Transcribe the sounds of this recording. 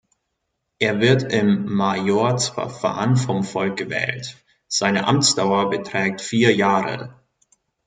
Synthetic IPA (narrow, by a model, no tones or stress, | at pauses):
ʔeːɐvɪɐtɪmːajoɐt͡sfɐ̰fa̰ːnfɔmfɔlk̚ɡ̥əvɛ̰ːlt | z̥aɪnəʔa̰mt͡sd̥aʊɐbətʁ̥ɛːk̚tfiːɐjaːʁə̰